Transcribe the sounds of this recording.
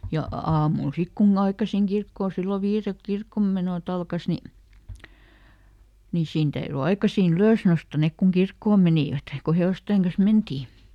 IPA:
jɑ ɑːmul sik kunː ɑikɑsiŋ kirkːoː silːo ʋiːrelk kirkːomːenoˑt ɑlkɑs ni ni siːn tæyry ɑikɑsiːn yløs nostɑ nek kuŋ kirkːoːm meniˑʋæt ko heoˑsteˑŋ kɑn̞s mentiː

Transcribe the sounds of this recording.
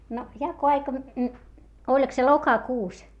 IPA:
no jɑkoɑikɑ olʲk se lokɑkuːs

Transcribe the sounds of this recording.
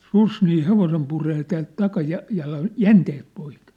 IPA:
sus niː heʋosem pureː tæːlt tɑkɑjɑ jɑlɑn jænteːt poik

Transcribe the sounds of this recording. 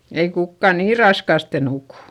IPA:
ei kukːɑ niː rɑskɑˑste nukuˑ

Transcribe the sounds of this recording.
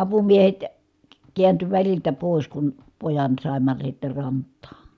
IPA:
ɑpumiehet k kiænty ʋæliltæ poˑis kun pojɑn sɑˑimːɑ sitːe rɑntˑɑː

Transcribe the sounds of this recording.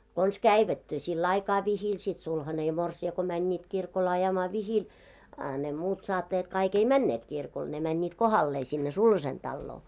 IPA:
kons kæiʋæt silː ɑikɑː ʋihil sit sulhɑne jɑ morsiɑ ko mænʲːiːt kirkol ɑjɑmɑː ʋihil ɑ ne muːt sɑːtːɑjɑt kɑik ei mænːeːt kirkol ne mænʲːiːt kohɑlːeː sinːe sulhɑsen d̥ɑlːoː

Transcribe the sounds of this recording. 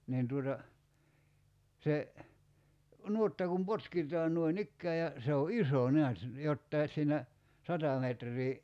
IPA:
niːn tuotɑ se nuotːɑ kum potkitˑɑːn nuoinikːæː jɑ se o iso neæt jotːɑi sˑiːnæ sɑtɑ metrˑiː

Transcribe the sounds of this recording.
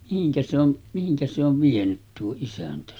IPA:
mihiŋkæ se on mihiŋkæ se oʋ ʋienyt tuo isæntæ

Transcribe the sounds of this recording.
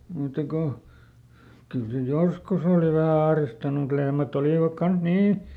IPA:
muˑtːɑ ko kyl se joskus oˑli ʋæhæ ɑhristɑnu mŭt lehmæt oliˑʋɑk kɑns niː

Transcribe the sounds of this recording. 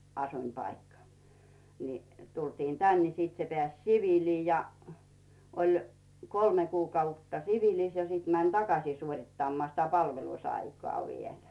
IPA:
ɑsuĭmpɑikːɑ ni tultiːn tæn ni sit se peæˑs siʋiˑliː jɑ olʲ kolme kuːkɑutːɑ siʋilis jɑ sit mænʲ tɑkɑsʲiː suorʲitːɑmːŏɑˑ sitæ pɑlʋelusɑikŏɑˑ ʋielæ̥

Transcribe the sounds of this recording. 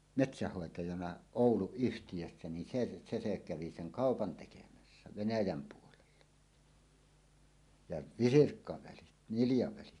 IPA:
metsæhːoˑetɑjɑnɑ oˑuluyhtijøsːæ ni se se se kæʋi seŋ kɑˑopɑn tekemæsːæ ʋenæjæm puolelːɑ jɑ ʋisirkːɑʋælit niljɑʋælit

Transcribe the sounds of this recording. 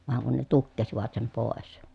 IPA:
ʋɑŋ kun ne tukːesiʋɑt sem poˑes

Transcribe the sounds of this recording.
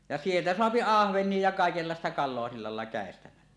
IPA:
jɑ sieltæ soɑpi ɑhʋenˑie jɑ kɑˑekelːɑˑestɑ kɑlˑoɑ silːɑ lɑˑelːɑ kæˑestæmælːæ

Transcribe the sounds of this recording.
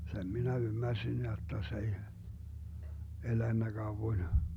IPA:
sem minæ ymːærsin jotːɑ s ei elænːæ ɡ̊ɑuwoĭn

